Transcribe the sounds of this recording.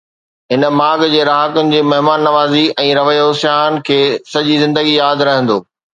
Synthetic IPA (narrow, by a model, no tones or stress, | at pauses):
ɦɪnəmaːɡd͡ʑeːɾaːɦəkʊnɪ̆d͡ʑeːmɐɦmaːnːɐʋaːziɛ̃ːɾɐʋəjosjaːnɪ̆kʰeːsɐʄizɪ̃nd̪əɡijaːd̪ɾɐɦə̃n̆d̪oː